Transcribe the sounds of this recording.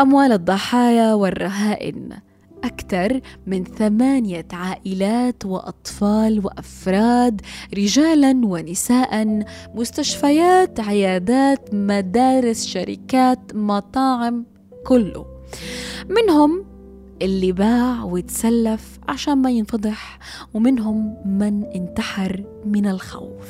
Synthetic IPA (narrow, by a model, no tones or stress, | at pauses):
ʔamwaːlɨd̪ˤːɑħɑːjawɪrˤːɑɦaːʔɪ̰n | ʔakt̪ɑɾˤmɪnθamaːnɪjaʕaːʔɪlaːt̪wɪ̰ʔɑ̰t̪ˤfɑːlwɪʔafɾˤɑːd̪ɾɪʒaːlanwɪnɪsaːʔanmʊst̪aʃfajaːt̪ʕɪjaːd̪aːt̪mad̪aːɾɪsʃaɾɪ̰kaːt̪mɑt̪ˤɑːʕɪm | kʊlːʊ̰ | mɪnɦʊm | ʔɪlːɪbaːʕwjɪt̪salːaf | ʕa̰ʃaːnmajɪnfɑd̪ˤɨħ | wmɪnɦʊmːanʔɪnt̪aħɑɾˤmɪnɪlxa̰wf